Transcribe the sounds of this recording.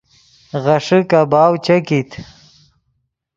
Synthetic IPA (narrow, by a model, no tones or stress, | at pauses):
ɣɐʂɨkɐbaːwt͡ɕɐkit̪ʰ